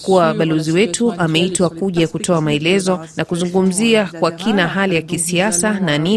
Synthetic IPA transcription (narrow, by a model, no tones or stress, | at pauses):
kuwaɓalɔziwɛtʰuʔamɛitwakuʄakutʰɔamaɛlɛzɔnakuzuŋɡum̩ziakwakʰinaɦalijakisiasanani